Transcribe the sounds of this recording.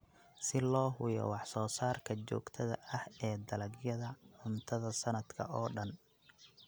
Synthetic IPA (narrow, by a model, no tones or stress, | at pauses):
sɪlɔːɦʊjɔ̰wɑħsɔːsaːrkʰɐt͡ʃɔ̰ːɡt̪ʰɐðɐ̰ɐhɛːd̪ɐlɐɡjɐðɐʕʊnt̪ʰɐðɐsɐnɐd̪kʰɐ̰ɔːɖɐn